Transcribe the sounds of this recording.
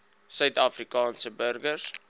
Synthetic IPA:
sœɥtɑfrikɑːnsəbərɡərs

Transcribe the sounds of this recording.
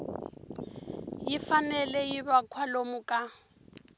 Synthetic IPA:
jifanɛlɛjibakʰwalomʊkʼa

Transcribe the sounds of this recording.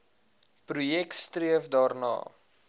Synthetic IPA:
prujɛk̚tstriəfdɑːrnɑ̰ː

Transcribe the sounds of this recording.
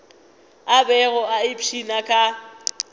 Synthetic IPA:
abɛɣʊʔaɪpʰinakʼa

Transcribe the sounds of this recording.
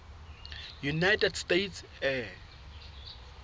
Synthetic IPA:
junajtɛdstets | ɛ

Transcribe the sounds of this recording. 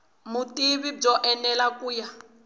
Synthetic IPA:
mutʼiβib͡ʐɔʔɛnɛlakʼuːja

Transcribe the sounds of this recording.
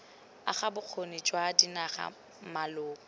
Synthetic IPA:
a̰χabʊq͡χʰonit͡ʃʼwadinaχa̰ | malʊːkʼɔ

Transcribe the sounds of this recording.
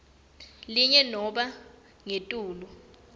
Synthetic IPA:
liɲɛnɔɓa | ŋetʼuːlu

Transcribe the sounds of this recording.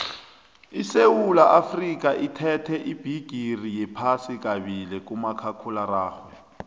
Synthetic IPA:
isewulaʔafrikʼaʔitʰɛtʰɛʔib̥ʱiɡ̥ʱirijɛpʰasikʼaβilɛkʼumakʰakʰularaːχwɛ

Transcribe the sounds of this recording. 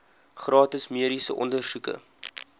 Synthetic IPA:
χrɑːtəsmiəɾisəʔɔ̰ndərsukə̰

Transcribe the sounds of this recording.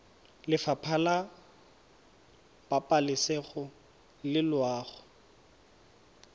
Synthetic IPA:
lɪfapʰala | b̥apʼalɪsɛχʊ | lɪlwaːχʊ

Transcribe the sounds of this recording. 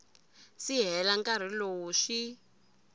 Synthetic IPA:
siɦɛlaŋkaɾ̤iloːʂi

